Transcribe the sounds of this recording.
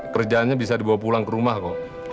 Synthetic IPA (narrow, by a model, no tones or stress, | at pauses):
kərd͡ʒanɲabis̬adibawapulaŋkəɾumahkɔ